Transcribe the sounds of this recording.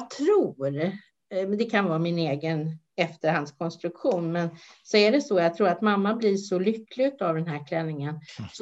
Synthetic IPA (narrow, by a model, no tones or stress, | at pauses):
t̪ʰɾuːɾ | d̪ɛkʰanvɑːmɪneːɡən | ɛft̪əɾhand̪skʰɔnst̪ɾɵkɧuːnmɛnsɔæɖɛsɔjɑːt̪ʰɾuːɾat̪mamːablɪʂɔlʏkːlɪt̪avd̪ɛnɦæːɾkʰlɛnːɪŋəns